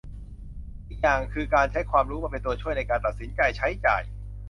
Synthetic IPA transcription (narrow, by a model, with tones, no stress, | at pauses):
ʔi˨˩k̚jaː˨˩ŋkʰɯː˧kaː˧nt͡ɕʰa˦˥jkʰwaː˧mɾuː˦˥maː˧˩pe˧t̪u˧ɐt͡ɕʰu˥˩əjna˧jkaː˧nt̪a˨˩t̪̚si˩˦nt͡ɕa˧jt͡ɕʰa˦˥jt͡ɕa̰ː˨˩j